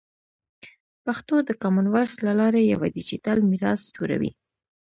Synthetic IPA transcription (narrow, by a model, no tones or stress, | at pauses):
paxt̪od̪əkamanwaʃlalɑɾejawad̪it͡ʃit̪almiɾɑsd͡ʒuɾa̰wḭ